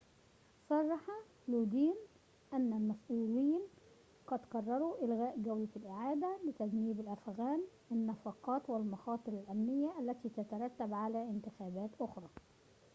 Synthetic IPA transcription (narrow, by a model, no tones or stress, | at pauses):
sˤɑrˤːɑħɑ | luːd̪iːn | ʔænːælmæsʔuːliːn | qɑd̪kɑrˤːɑɾˤuʔɪlɣæːʔɡawlalʔɪʕaːd̪alɪt̪æɡniːbɪlʔæfɣaːn | ɪnːɑfɑqɑːt̪wɪlmɑxɑːt̪ˤɨɾɪlʔæmnɪjːaʔælːæt̪iːt̪at̪ɑɾˤɑt̪ːabʕalæʔɪnt̪ɪxæːbæːt̪ʔʊxɾˤɑː